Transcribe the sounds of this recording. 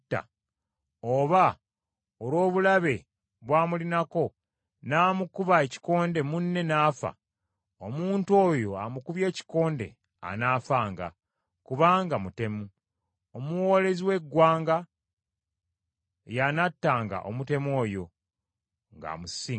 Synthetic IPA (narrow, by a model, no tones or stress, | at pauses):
tːa̰ | oβa | olwo̞ːβulaβe̞ | βwaːmulinako̞ | naːmukuβaeci̥ko̞ːnde̞munːe̞naːfa̰ | omuːnto̞ːjo̞amukuβje̞ːci̥ko̞ːnde̞̰ | a̰naːfaːŋɡa̰ | kuβaːŋɡamute̞mu | omuwo̞ːle̞ziwe̞ɡːwaːŋɡa | janatːaːŋɡa̰ʔo̰mute̞mo̞ːjo̞̰ | ŋɡa̰musi